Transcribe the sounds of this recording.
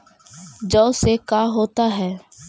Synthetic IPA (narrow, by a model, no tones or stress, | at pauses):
d͡ʒɔːsekaːɦoːt̪aɦɛː